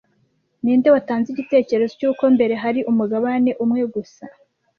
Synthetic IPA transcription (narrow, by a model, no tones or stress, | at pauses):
niːndewataːnziɟite̞ːce̞ɾe̞zocuːko̞mbe̞ɾe̞ɦaɾiʔumuɡaβane̞ʔumŋe̞ɡusa